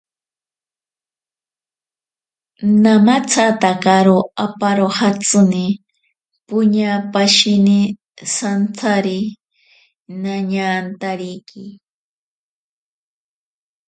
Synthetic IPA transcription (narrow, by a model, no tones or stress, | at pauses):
namat͡sʰat̪akaɾoapaɾohat͡sʊnɪ | pʊɲapaʃɪnɪ | sant͡sʰaɾɪ | naɲant̪aɾijkʰi